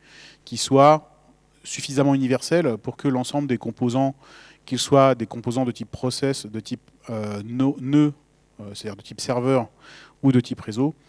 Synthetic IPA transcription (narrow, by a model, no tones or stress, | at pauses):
kʲiswa | syfizamɑ̃ynivɛʁsɛlpuʁkəlɑ̃sɑ̃bləd̪ekɔ̃pozɑ̃ | kʲilswad̪ekɔ̃pozɑ̃d̪ət̪ipːχɔsɛsd̪ət̪ʰip | ønonø | se̥t̪ad̪iʁd̪ət̪ipsɛʁvœʁ | ud̪ət̪ʰipʁezo